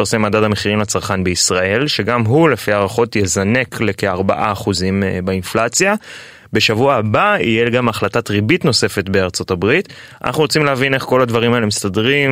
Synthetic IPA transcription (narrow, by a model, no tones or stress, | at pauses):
aʁsemaːdadame̞χiʁimlat͡saʁχanbe̞isʁae̞lʃe̞ɡamɦule̞fiaːʁaχo̞tjezane̞klekeaʁba̰ʔaːχuzimbainflat͡sja | be̞ʃavuaːbaḭjeɡamaχlatatʁibitno̞se̞fe̞tbe̞aʁt͡so̞tabʁit | a̰nʔa̰χnuʁot͡simleavine̞χko̞lad̪vaʁimae̞lemistadʁim